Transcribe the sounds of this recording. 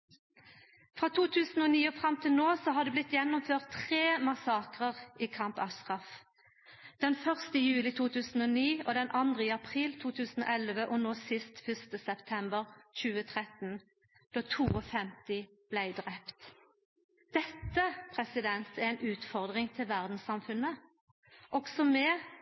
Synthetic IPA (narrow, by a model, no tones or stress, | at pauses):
fʁɑːt̪ʰuːt̪ʰʉːsn̩oːniːɔfʁɑmt̪ʰɪlnoːsɔhɑd̪ɛblɪt̪jɛnːʊmføːʁt̪ʰːʁeːmɑsɑːkʁəʁʔiːkʰɑmpɑst̪ʁɑf | d̪̥ɛnfœʁst̪əjʉːlɪt̪ʰuːt̪ʰʉːsn̩oːniːoːd̪ɛnʔɑnd̪ʁəiːɑpʰʁiːlt̪ʰuːt̪ʰʉːsn̩o̰ːʔɛlʋəʔɔnosɪst̪fʏst̪əsɛpt̪ʰɛmbəʁc͡çʉːət̪ʰʁɛt̪n | d̪̥oːt̪ʰuːɔfɛmt̪ɪ | b̥læɪd̪ʁɛpt̪ | d̪̥ɛt̪ːəpʰʁɛsɪd̪ɛnsææɪnʉːt̪fɔʁd̪ʁɪŋt̪ʰɪlʋæʁd̪n̩sɑmfʉnːə | ʔɔɡsɔmɛ